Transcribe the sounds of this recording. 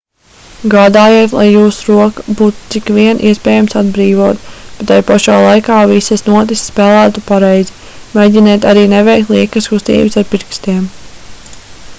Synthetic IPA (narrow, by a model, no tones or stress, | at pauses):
ɡaːd̪aːjeːt̪lˠa̰jːuːsuɾuɔkḁbuːt̪u̥t̪sikʋiɛnʔiɛspɛːjamsad̪bɾiːvuɔt̪b̥et̪ajpaʃaːlˠajkaːvisɐsnuɔt̪̬isspɛːlˠæːt̪upaɾɛjzi | mɛjd̪ʲinɛːt̪aɾiːnɛvɛjk̚t̪lˠiɛkaskust̪ḭːbɨsaɾpiɾkst̪iɛm